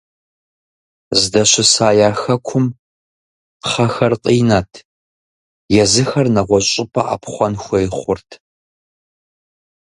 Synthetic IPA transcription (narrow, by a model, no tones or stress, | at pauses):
zdɐɕɪsaːjaːxɐkʷʰʊm | χɐxɐrqʼiːnaːtʰ | jɛzɨxɐrnɐʁʷɔɕʼɪpʰʼɐʔa̰pʰχʷɐnxʷɐjχʷʊrtʰ